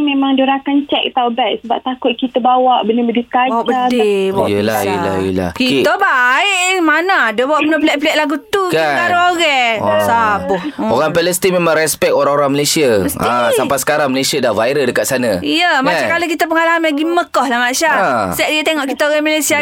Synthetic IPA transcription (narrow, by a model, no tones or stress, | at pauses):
mẽmaŋdoɾakant͡ʃɛk̚t̪aubɛʔ̚səbap̚t̪akʊt̪̚kit̪əbawaʔbənəbədit̪abawaʔbəadebjəla̰jəla̰jəla̰hkiəbaɪʔmanaadəbawaʔbənəplɛʔ̚pəlɛʔ̪̚laɡut̪ukaaɾoɣɛsabʊhoɾaŋpɛləst̪imemãŋɾɛspɛk̚oɾãŋoɾaŋməlesiaməsiasampasə̥kaɾaŋməlesiadahvajɾəldəkat̪̚sanãijəmat͡ʃakalok̬it̪əp̬əŋalaamaɡiməkɔhlamaʔʃasɛʔ̚diət̪eŋɔʔkit̪əoɣɛmalesia